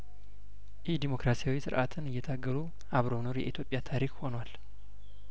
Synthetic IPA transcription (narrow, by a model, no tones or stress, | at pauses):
jɛhd̪imo̞kɾasijawisɨɾʔat̪ʰɨnɨjːɛt̪ʰaɡːəlu | ʔaβɾo̞no̞ɾjɛ̰it̪jo̞pʼjat̪ʰaɾikho̞nwal